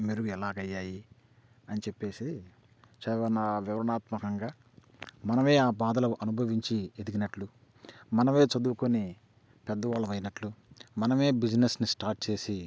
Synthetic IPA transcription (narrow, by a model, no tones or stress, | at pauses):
miːɾuɛlaːɡɐjːaːji | ɐnit͡ʃe̞pːe̞ːsi | t͡ʃɛʋɐnaʋiʋɐɾɐnaːt̪mɐkɐŋɡaː | mɐnɐme̞ːaːbaːd̪ɐlɐʔɐnubʱɐʋiɲt͡ʃied̪iɡinɐʈlu | mɐnɐme̞ːt͡ʃɐd̪uːukoni | pɛd̪ːɐʋaːlːɐʋɐjnɐʈlumɐnɐme̞ːbid͡ʒnesnisʈaːɾʈ̚t͡ʃe̞ːsi